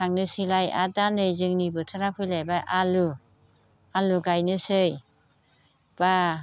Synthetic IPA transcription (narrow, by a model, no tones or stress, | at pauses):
aŋnɯsɯlaja̰danɯjzɯŋnibɯtʰaɾapʰɯjlajbaʔalu | aluɡajnɯsɯj | b̥a